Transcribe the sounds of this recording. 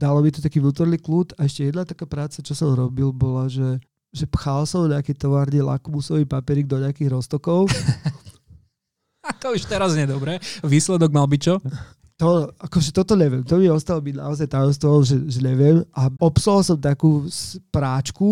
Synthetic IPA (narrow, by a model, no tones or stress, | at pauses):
d̪alɔmit̪ɔt̪akiːvnuːt̪ɔɾnikluːt̪aɛʃcɛjɛd̪nat̪akaːpɾaːt͡sat͡ʃɔsɔmɾɔbilbɔlaʒɛ | ʒɛpxalsɔmɲɛakɛjt̪ɔʋaːɾɲila̰kmusɔʋiːpapɛɾiːɡ̚d̪ɔɲɛakiɣɾɔst̪ɔkɔʊ | at̪ɔuʃt̪ɛɾazɲɪɛd̪ɔbɾɛʋiːslɛd̪ɔɡmalbict͡ʃɔ | t̪ɔakɔʒɛt̪ɔt̪ɔɲɛʋɪɛmt̪ɔmiɔst̪alɔbina̰ɔzajt̪ajɔmst̪ʋɔʋalʒɛʒɛɲɛʋɪɛmʔaɔpsalsɔmt̪akuːspɾaːt͡ʃku